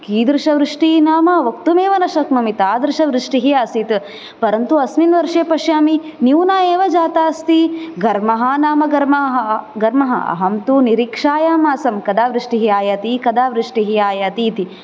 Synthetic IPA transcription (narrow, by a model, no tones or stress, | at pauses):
kiːd̪ɾɪʂɐʋɾɪʂʈinaːmɐʋɐkt̪umeːʋɐnɐʃɐkmɐmit̪aːd̪ɾɪʂɐʋɾɪʂʈiɦiaːsit̪ | pɐɾɐnt̪uɐsminʋɐɾʂeːpɐʂjaːminiwnaːeːʋɐd͡ʒaːt̪aːst̪iɡɐɾmɐɦɐnaːmɐɡɐɾmɐɦɦɐɡɐɾmɐɦɐ̰ɐ̰ɦɐmt̪uniɾiːkʂaːjaːmaːsɐmkɐd̪aːʋɾɪʂʈiɦiaːjat̪ikɐd̪aːʋɾɪʂʈiɦiaːjat̪iːt̪i